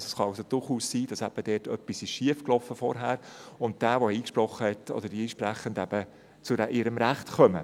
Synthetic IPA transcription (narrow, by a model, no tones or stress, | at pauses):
sɛsχɑɑlsod̥̪ʊɾχuːssiːd̥ɑsæb̥əd̥ɛːtœpːisɪʃʃiəfklɔfəfɔ̰ɾɦæːɾʊnt̚d̥æːʋɔɛiːkʃpɾɔχːəhɛtɔ̰d̪əɾdiɛnʃpɾæχəndæb̥ə | t͡sʊɾæʔɪɾəmɾæχtkœmə